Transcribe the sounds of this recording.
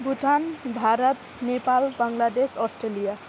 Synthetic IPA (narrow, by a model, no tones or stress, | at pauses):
bʱuʈanbʱaɾʌt̪ | nepalbaŋlad̪esʌsʈɾelija